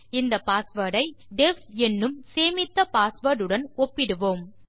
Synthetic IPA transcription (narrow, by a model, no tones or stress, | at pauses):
ɪnd̪ɐpːaːsʋɐɽɐɪɖɛfɛnːɯmseːmɪt̪ːɐpaːsʋɐɾɾɯɽɐnɔpːɪɽɯʋoːm